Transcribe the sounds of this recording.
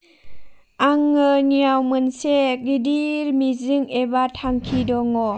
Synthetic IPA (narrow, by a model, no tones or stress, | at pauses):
aŋːəniawmɯnseɡidiɾmizɯŋebatʰaŋkʰidɔŋɔ